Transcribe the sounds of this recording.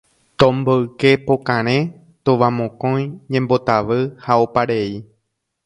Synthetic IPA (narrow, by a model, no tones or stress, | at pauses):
t̪õmboɨke̞pokãɾ̃ẽ | t̪oʋamõkõj̃ɲẽmbo̞t̪aʋɨhaopaɾe̞i